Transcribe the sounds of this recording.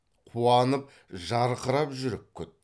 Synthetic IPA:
qʰuɑnəp̚ | ʒɑɾqəɾɑpʒʏɾɪp̚kʲʰʏt̪̚

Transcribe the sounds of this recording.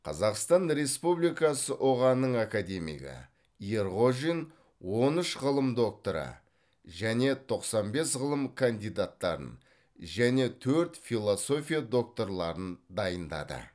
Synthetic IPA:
qʰɑzɑqst̪ɑnɾe̞spublijkɑsəʔoʁɑnːəɴakad̪e̞mḭɡʲə̰ | jeɾʁo̞ʒin | wo̞nəʃʁəlˠəmd̪o̞k̚t̪o̞ɾə̰ | ʒæne̞t̪ʰo̞qsɑnbe̞sʁəlˠəmkʰand̪ijd̪at̪ːɑ̰ɾə̰n | ʒæne̞t̪ʰɵɾt̪fʲilˠoso̞fʲijad̪o̞k̚t̪o̞ɾlˠɑɾənd̪ɑjənd̪ɑ̰d̪ə̰

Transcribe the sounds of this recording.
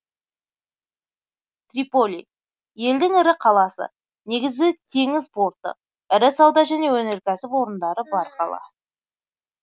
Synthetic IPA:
t̪ripo̞lʲḭ | je̞ld̪ɪŋɪɾɪqʰɑlˠɑsə̰ | ne̞ɡʲɪzɪt̪ʰe̞ŋɪzbo̞ɾt̪ə̰q̚ | ɪɾɪsɑwd̪ɑʒæne̞wɵneɾkʲʰæsɪpwo̞ɾənd̪ɑɾəbɑɾqʰɑ̰lˠɑ̰

